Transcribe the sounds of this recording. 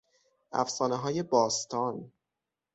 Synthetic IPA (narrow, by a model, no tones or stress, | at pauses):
ʔæ̰fsɒːneɦɒːje̞bɒːst̪ʰɒːn